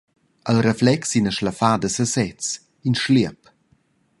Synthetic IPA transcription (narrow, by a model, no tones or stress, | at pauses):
əlɾeflɛksinəʃləfadəsəsɛt͡s | inʃliəp